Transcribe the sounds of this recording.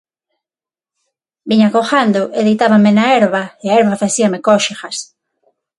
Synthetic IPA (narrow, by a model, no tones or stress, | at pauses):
biɲakoxand̪ʊʔeðejt̪aβamenaɛɾβɐeaɛɾβafaθiɐmekɔʃixas